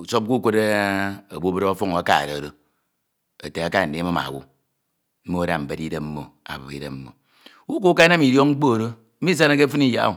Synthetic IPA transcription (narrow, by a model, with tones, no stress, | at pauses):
u˨so˦p̚ku˦kʷo˦de˦o˨bo˦bɨ˦ɾo˦fo˦ŋo˨a˨˦ka̰˦˨ɾo˨ɾo˦ | ḛ˨te˨a˦ka˦˨n̩˨de˨˦ma˦ma̰˨wṵ˦ | m̩˦mo˦da˨m̩˨be˨di˦de˦mm̩˦mo˨a̰˨bo˨kḭ˦dḛ˦mm̩˦mo̰˨ | u˦ko˦ka˦na˦mi˨ɾjo˦ŋŋ͡m̩˦k͡po˦˨ɾo˦ | i˦sa˦na˦k̬e˦fɨ˦ni˦ja̰˦˨